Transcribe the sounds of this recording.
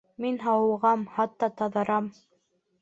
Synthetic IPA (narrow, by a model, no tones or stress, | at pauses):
minɦɑwɤ̆ʁɑmhɑt̪ːɑt̪ɑðɤ̆ɾɑm